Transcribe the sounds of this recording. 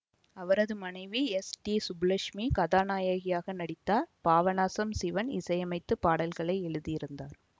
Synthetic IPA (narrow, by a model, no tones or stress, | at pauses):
ɐʋɐɾɐðɯmɐnɐɪʋiɛsʈiːsʊblɐʂmikɐðaːnaːjaɣɪjaːɣɐnɐɽɪt̪ːaːɾpaːʋɐnaːsɐmsɪʋɐnɪ̰sɐjɐmɐɪt̪ːɯpaːɽɐlɣɐɭɐɪɛɻɯðijɪɾɯnd̪aːɾ